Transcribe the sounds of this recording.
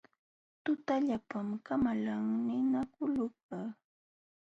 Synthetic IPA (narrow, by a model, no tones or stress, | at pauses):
t̪ʊt̪aʎapamkamalaŋnɪnakʊlʊk̚ɑ